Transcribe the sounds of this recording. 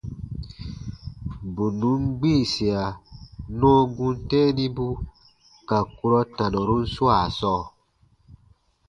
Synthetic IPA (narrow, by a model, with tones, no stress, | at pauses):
bu˨nũ˨˦mɡ͡bi˦˨si˨a˨nɔ̃ː˦ɡũ˦n˦tɛ̃˦nĩ˦bu˦ | ka˨ku˧ɾɔ˦tã˨nɔ˨ɾu˦n̩˦su˦a˨sɔː˦˨